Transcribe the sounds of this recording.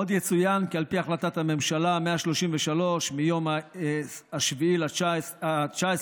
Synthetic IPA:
od̪jet͡sujankialpiaχlat̪at̪hame̞mʃalame̞aʃlo̞ʃimveʃalo̞ʃmijo̞ma | aʃviilaat͡ʃaes

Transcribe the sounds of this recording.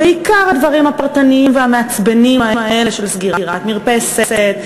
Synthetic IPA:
beikaʁhad̪vaʁimhapaʁt̪aniimveameat͡sbenimaemae̞le̞ʃelsɡiʁaʁat̪miʁpe̞seet̪̚

